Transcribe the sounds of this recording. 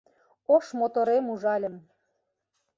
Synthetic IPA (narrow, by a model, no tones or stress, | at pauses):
oʃmot̪oɾemuʒɑlʲə̆m